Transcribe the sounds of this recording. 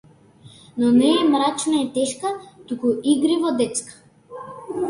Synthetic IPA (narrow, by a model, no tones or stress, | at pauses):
nɔnɛːmɾat͡ʃnaɛt̪ɛʃkat̪ukuʔiɡɾivɔd̪ɛt̪skḁ